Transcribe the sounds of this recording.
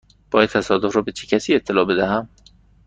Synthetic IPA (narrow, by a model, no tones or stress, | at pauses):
b̥ɒːjæd̪̚t̪ʰæsɒːd̪ofrɒːbe̞t͡ʃʰecʰæsiːet̪ʰːe̞lɒːbe̞d̪æɦæm